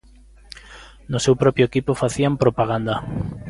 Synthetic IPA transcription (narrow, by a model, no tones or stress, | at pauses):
nʊsewpɾɔpɾjʊekipʊfaθiampɾopaɣ̞and̪a